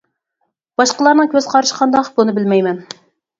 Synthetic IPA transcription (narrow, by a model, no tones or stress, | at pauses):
b̥ɑʃqəlˠɑɾnɨŋkʲøzqʰɑɾɨʃqʰɑnd̪ɑqbunɨbɪlmɛjmɛn